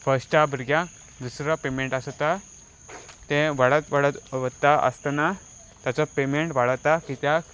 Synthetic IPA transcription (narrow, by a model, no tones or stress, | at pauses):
fəsʈabəɾɡjã | d̪usɾapemeɳʈasɔt̪a | t̪ẽʋaɽət̪ʋəɽət̪ʋət̪ːaʔə̰st̪ana | t̪jat͡sɔpemeɳʈʋaɭət̪akit̪ja